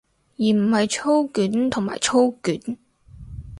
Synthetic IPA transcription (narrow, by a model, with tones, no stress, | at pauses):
jiː˨˩m̩˨˩hɐ˨jt͡ʃʰo˥wkyː˨˥nt̪ʰʊ˨˩ŋma̰ː˨˩jt͡ʃʰo˥wkyː˨˥n